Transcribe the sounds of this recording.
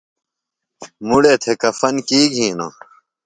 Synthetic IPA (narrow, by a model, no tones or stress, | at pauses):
muɽeːt̪ʰekɐfɐnkiːɡʱĩːna̰ː